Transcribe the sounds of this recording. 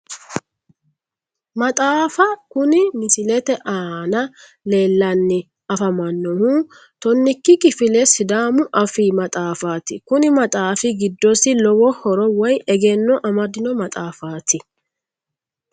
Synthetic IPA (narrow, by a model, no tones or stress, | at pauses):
mɐt̪ʼaːfɐkʊnɪmɪsɪlɛt̪ɛʔaːnɐ | le̞ːlːɐnːɪ | ɐfɐmɐnːɔhu | t̪ɔnːɪkːɪkʼɪfɪlɛsɪd̪aːmʊʔɐfiːmɐt̪ʼaːfaːt̪ɪkʊnɪmɐt̪ʼaːfɪɡɪd̪ːɔsɪlɔwɔhɔɾɔwɔjɛɡɛnːɔʔɐmɐd̪ɪnɔmɐt̪ʼaːfaːt̪ɪ